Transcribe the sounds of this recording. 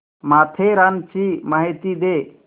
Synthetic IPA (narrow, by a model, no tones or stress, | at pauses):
mat̪ʰeɾant͡ʃʰimaɦit̪id̪e